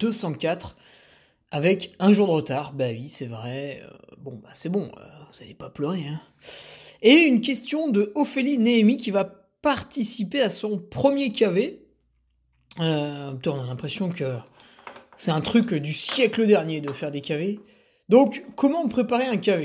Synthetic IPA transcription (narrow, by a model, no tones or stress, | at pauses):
d̪̥øsɑ̃kʲat̪χ | avɛkɛ̃ʒuʁd̪əʁət̪aʁbaɥisɛvʁɛø̰bɔ̃basɛbɔ̃ø̰vuz̥alɛpaplœʁeɛ̃ | eynk̬ʲɛst̪jɔ̃d̪əɔfelineːmikʲiva | paʁt̪isipeasɔ̃pχəmjekʲave | øpt̪ɛtɔ̃nalɛ̃pχesjɔ̃kə | sɛt̪ɛ̃t̪χykd̪ysjɛkləd̪ɛʁnjed̪əfɛʁd̪ekʲave | d̪ɔ̃kːɔmɑ̃pχepaʁeɛ̃kʲave